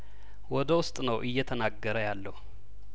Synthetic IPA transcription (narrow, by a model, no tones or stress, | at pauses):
wɔd̪əwʊst̪ʼnəwʔɨjːɛt̪ʰənaɡːəɾəjalːəhu